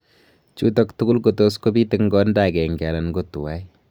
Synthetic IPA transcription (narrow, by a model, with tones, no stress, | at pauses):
t͡ʃu˦tɔktu˦ku˦lko˨to˦sko˦bi˦tɪ˦kŋɡɔ˦nda˨kɛ˨ŋɡɛ˨la˨nɡo˨tu˨wa˦j